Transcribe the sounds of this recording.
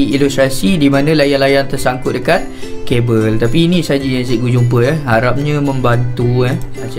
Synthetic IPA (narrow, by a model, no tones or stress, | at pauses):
ilust̪ɾasidimãnə̃lajanlajant̪ərsaŋkʊt̪ʔ̚dəkat̪̚ | kebəlt̪apiːnisad͡ʒijaŋsiɡud͡ʒump̬əɛɦaɾap̚ɲãmə̃mbant̪uɛsa